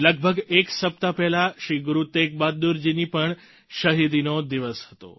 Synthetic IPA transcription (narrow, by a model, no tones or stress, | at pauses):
ləɡ̚bʱəɡeksəp̚t̪apɛlaʃiɡɾut̪ek̚bad̪uɾd͡ʒinipəɳ | ʃəɦid̪inod̪iʋəshət̪o̰